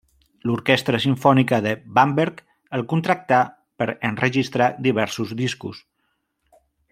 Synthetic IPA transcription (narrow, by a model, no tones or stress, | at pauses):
luɾkɛst̪ɾəsiɱfɔnikəðəbambɛɾk | əlˠkunt̪ɾək̚t̪a | pəɾənrəʒist̪ɾad̪iβɛɾsuzd̪iskus